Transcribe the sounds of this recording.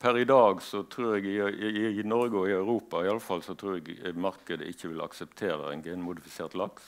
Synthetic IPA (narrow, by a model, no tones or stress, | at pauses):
pʰæɾɪd̪ɑːɡsɔt̪ʰʁuːɾɛɡɪnɔɾɡəɔɪɑʉɾuːpɑɪɑlːəfɑlsɔt̪ʰɾuːɾɛɡmɑʁkəd̪ə̰ʔɪçːəʋɪlɑ̰ksɛpt̪ʰeːɾə̰ɛ̰nɡɛːnmʊd̪ɪfɪseːʁt̪lɑks